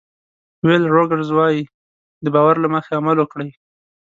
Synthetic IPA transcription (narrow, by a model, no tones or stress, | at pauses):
welɾoɡaɾzwɑji | d̪əbɑwaɾlaməxeamalokɽəj